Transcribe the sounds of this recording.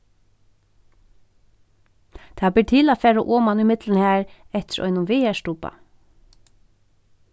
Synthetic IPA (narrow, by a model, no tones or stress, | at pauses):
t̪ʰablɪɾt̪ʰiːlafɛːɾaʔɔːmanumɪt̪lɪnhæːɹɛht̪ɪɾʔɔ̰jnʊnʋɪːɛstuːpa̰